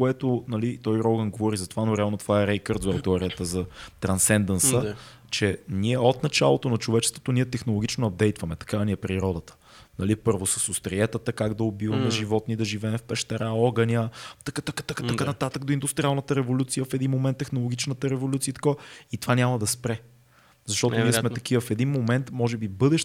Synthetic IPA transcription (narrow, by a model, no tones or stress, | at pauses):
koɛt̪onɐlit̪ɔjɾɔɡənɡovɔɾizɐt̪ovanoɾɛalˠnot̪ovaɛɾɛjkəɾd̪zɛwt̪ɛɔɾiət̪əzɐt̪ɾɐnsɛnd̪ənsə | t͡ʃɛniɛot̪nɐt͡ʃa̰lˠot̪onɐt͡ʃovɛt͡ʃɛ̥st̪vo̥t̪oniɛt̪ɛxnolˠoɡit͡ʃnoɐb̚d̪ɛjt̪vɐmɛt̪ɐ̥kaniɛpɾiɾɔd̪ət̪ə̥ | nɐlipɤɾvosɐsost̪ɾiɛt̪ət̪əkaɡd̪ɐobivənɐʒivɔt̪nid̪ɐʒivɛːmfpɛʃt̪ɐɾaɔɡənʲət̪ɐkk̪atat̪əkat̪ɐkanɐt̪at̪ək̚d̪oind̪ʊst̪ɾialˠnət̪əɾɛvolʲut̪sijəfɛd̪inmomɛnt̪ːɛxnolˠoɡʲit͡ʃnət̪əɾɛvolʲut̪siəit̪ɐ̥kovəit̪ovanʲamɐd̪ɐspɾɛ | zɐʃt̪ɔʊniɛsmɛt̪ɐk̟ivəfɛd̪inmomɛnt̪mɔʒɛbibɤd̪ɛʃ